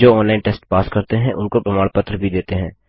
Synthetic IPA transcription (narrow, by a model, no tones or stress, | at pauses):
d͡ʒoːɔ̃ːnlaːɪnʈeːsʈpaːskɐɾt̪eɦɛ̃ʔʊnkopɾɐmaːɽpət̪ɾəbʱid̪eːt̪eɦɛ̃ː